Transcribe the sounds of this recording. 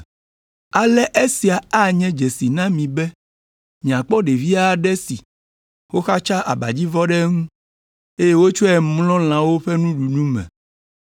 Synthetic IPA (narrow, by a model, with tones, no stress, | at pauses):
a˨lɛ˦ʔe˦si˨a˨a˦ɲɛ̃˦d͡ʒɛ˨si˨nã˦mĩ˨bɛ˦ | mĩ˨ã˨k͡pɔ˦ɖe˨vi˦a˦˨ɖɛ˦sḭ˨ | wo˦xa˦t͡ʃa˦ʔa˨ba˨d͡ʑi˦vɔ˦ɖɛ˦ŋũ˦ | e˦je˦wo˦t͡ʃo˦ɛ˦mlɔ̃˦l̃ã˨wo˦ɸɛ˦nũ˦ɖu˨nũ˦mɛ̰̃˨